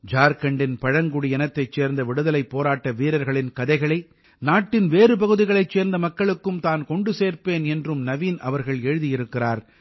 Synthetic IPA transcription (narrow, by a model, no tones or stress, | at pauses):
d͡ʒaːɾkɐɳɖɪnpɐɻɐŋɡʊɽijɛnɐt̪ːɐɪt͡ʃːeːɾnd̪ɐʋɪɽɯðɐlɐɪpːoːɾaːʈːɐʋiːɾɐɾɣɐɭɪnkɐðɐɪɣɐɭɐɪ | naːʈːɪnʋeːrɯp̬ɐɣɯðɪɣɐɭɐɪt͡ʃːeːɾnd̪ɐmɐkːɐɭɯkːɯmt̪aːnkɔɳɖɯseːɾpeːnɛndrɯmnɐʋiːnɐ̰ʋɐɾɣɐɭɛɻɯðɪjɪɾɯkːɪraːɾ